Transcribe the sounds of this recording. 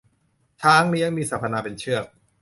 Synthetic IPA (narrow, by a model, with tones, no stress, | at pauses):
t͡ɕ̪ʰaː˦˥ŋni˦˥˦ə˦˩miː˧saː˨˩pʰa˧naː˧pe˧nt͡ɕʰɯ˥˩ək̚